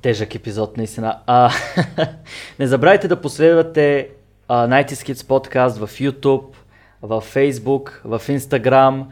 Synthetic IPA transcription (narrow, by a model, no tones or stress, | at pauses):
t̪ɛʒɐkɛpizɔt̪̚nɐist̪inə | nɛzɐbɾavit̪ɛd̪ɐposlɛd̪vɐt̪ɛ | najt̪iskiət̪spɔt̪kast̪vɐfjut̪up̚ | vɐfːɛjzbukvɐfinst̪ɐɡɾam